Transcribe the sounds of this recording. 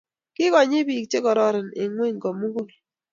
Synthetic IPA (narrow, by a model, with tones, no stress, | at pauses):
kɪ˦kɔ˨ɲɪ˦bi˨k̚t͡ʃe˦kɔ˨ɾɔ˦ɾɪ˨nɪ̰˨ŋwe˦˨ɲkɔ˨mu˦ɡo˦˨